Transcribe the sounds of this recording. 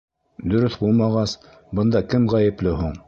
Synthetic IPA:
d̪ɵ̆ɾɵθbulˠmɑʁɑs | bɤ̆nd̪ɑkɘmʁæjɘ̆plɘɦuɴ

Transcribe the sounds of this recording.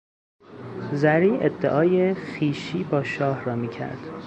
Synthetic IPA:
zæɾiːʔed̪ːeʔɒːjexiːʃiːbɒːʃɒːhɾɒːmiːcʰæ̰ɾd̪̥

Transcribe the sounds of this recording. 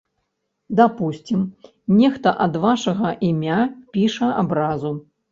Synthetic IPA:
d̪apusʲt͡sʲim | nʲɛxt̪ɐʔɐd̪vaʂɐɣɐʔimʲapʲiʂɐa̰bɾazu

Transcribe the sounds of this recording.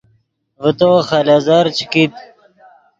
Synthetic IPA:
vət̪oːxalaːzaːɾt͡ɕʰi̥kit̪̚

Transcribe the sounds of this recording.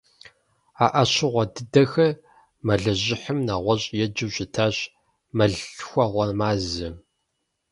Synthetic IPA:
aːʔɐɕɪʁʷɔdɨdɐxɐr | mɐɮɨʑɪħəmnaːʁʷɔɕʼjɛd͡ʒɨwɕɪtʰaːɕ | mɐɮxʷɐʁʷɔmaːzɨ

